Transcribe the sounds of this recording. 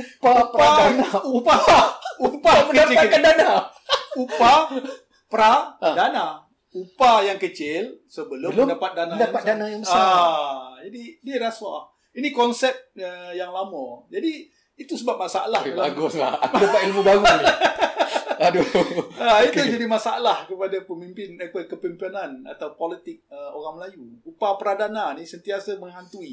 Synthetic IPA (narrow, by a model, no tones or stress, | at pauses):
papɾanaupaupaməkəapt͡ʃɪatkadanaupa | pɾadana | upajaŋkət͡ʃɪlsəbəlʊldapat̪̚danadapat̪̚danajaŋbəsa | d͡ʒadiniɾasa | inikɔnsɛp̚əjaŋlamɔ̃d͡ʒadiː | t̪usəbap̚masaʔa̰lahlaaɡoslahakdapat̪ilmubaɡu | aduait̪ud͡ʒadimasaalahkəpadapəmimpɪnəkəpadakəpimpinana̰t̪awpolit̪ɪk̚əoɾaŋməlajuupapəɾadananisənt̪iasaməŋɦant̪ui